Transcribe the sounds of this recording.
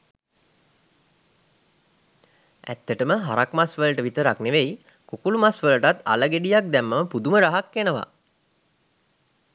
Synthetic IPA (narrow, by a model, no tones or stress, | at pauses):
æ̰t̪ːəʈəməɦa̰ɾakmasʋələʈəʋit̪əɾakneʋej | kukulumasʋələʈat̪a̰ləɡeɖijak̚d̪ɛmːəməpud̪uməɾaɦakːenəʋa̰